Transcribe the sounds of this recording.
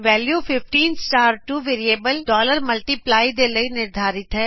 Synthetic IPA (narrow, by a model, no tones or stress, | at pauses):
ʋɛːljuːpʰɪfʈiːnsʈaːɾʈuːʋeːɾieːbəlɖɔːləɾməlʈiːplaːid̪eːləiːnɪɾd̪ʱaːɾɪt̪ɦɛː